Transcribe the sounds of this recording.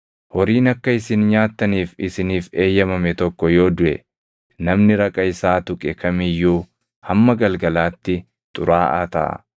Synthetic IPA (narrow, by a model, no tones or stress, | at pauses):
hɔɾiːnɐkːɐɪsɪnɲaːt̪ːɐniːfɪsɪniːfe̞ːjːɐmɐmɛt̪ɔkːɔjo̞ːd̪ʊʔɛ̰ | nɐmnɪɾɐkʼɐɪsaːt̪ʊkʼɛkʰɐmɪjːuː | hɐmːɐɡɐlɡɐlaːt̪ːɪ | t̪ʼʊɾaːʔa̰ːt̪ɐ̰ʔɐ̰